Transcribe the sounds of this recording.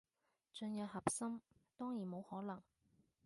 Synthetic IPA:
t͡ʃɵ˧njɐ˨p̚hɐ˨p̚sɐ˥mt̪ɔː˥ŋjiː˨˩nmo˨˧whɔː˨˥lɐ˨˩ŋ

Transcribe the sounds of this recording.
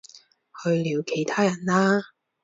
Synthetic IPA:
hɵ˧ɥliː˨˧wkʰe˨˩jt̪ʰaː˥jɐ˨˩nlaː˥

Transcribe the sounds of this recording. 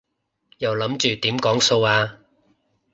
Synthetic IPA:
jɐ˨˩wlɐ˨˥mt͡ʃyː˨t̪iː˨˥mkɔː˨˥ŋso˧waː˧

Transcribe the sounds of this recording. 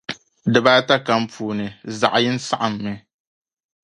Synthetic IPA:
dɨ˨baː˦ta˦ka˦mpʰuː˨nɨ˨za̰˨ʔa˨jɪ˦n˦sa˦ʔa˨mːɪ˦

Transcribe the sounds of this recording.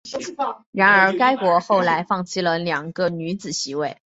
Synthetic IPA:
ɻa˧˥nə˞˧˥ka˥ɪkwɔ˧˥xo˥˩ʊla˧˥ɪfɑ˥˩ŋt͡ɕʰi˥˩lə˩ljɑ˨˩ŋɡə˧ny˧˥t͡sɹ̩˨˩ɕi˧˥we˥˩ɪ

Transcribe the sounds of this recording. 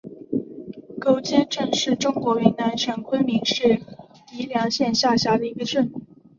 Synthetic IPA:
ko˧˥ʊt͡ɕjɛ˥nʈ͡ʂɤ˥˧ŋʂɻ̩˥˩ʈ͡ʂʊ˥ŋkwɔ˧˥i˧˥ŋna˥˩ɪt͡ɕʰə˨˥˩nkʰwə˥nmi˧˥ŋʂɻ̩˥˩ | i˧˥ljɑ˧˥ŋɕjɛ˥˧nɕja˥˩ɕja˧˥d̪ə˨i˧˥ɡə˧ʈ͡ʂə˥˧˩ŋ˨˩

